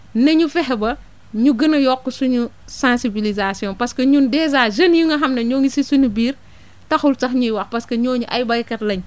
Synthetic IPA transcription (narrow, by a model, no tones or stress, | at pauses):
nɐɲufɛɦɛbɐ | ɲuɡɐnɐjɔkːusuɲu | sãːnsibilizasiɔ̃npɐskɐɲundɛːzaːd͡ʒɐnjuŋɡɐɦɐmnɐɲɔːŋisisuɲubiːɾ | tɐxultɐxɲujwɐxpɐskɐɲɔːɲuʔɐjbɐjkɐtlɐɲ